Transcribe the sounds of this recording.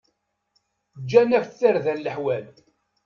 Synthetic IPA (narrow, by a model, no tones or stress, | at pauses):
d͡ʒːænæfθəɾðænləħwæl